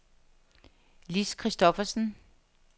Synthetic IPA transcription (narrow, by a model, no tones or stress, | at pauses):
liskʰʁisd̥ɔfɐsn̩